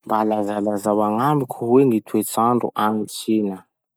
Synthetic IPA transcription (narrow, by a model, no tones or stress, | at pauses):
mbalazalazawaŋamikʰuweŋit̪ʰuet͡saɳɖ͡ʐṵʔaŋisinə